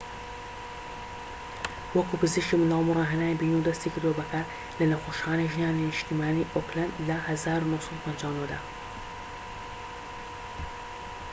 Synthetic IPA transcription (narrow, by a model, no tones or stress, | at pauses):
wɐkupɨzɨʃkimɨnd̪aːlˠmurˤɑɦɐnaːjbiːnud̪ɐst̪ikʰɨɾd̪uwɐbɐkʰɐ | lɐnɐxoːʃxaːnejʒnaːninɨʃt̪imaːniːʔoklɐnlɐhɐzaːɾunosˤɨlpʰɐnd͡ʒaːwnod̪a̰ː